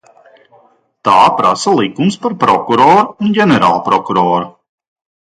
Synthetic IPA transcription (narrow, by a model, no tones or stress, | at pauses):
t̪aːpɾasalˠikumspaɾpɾɔkuɾɔːɾuunɡʲɛnɛɾa̰ːlˠpɾɔkuɾɔːɾu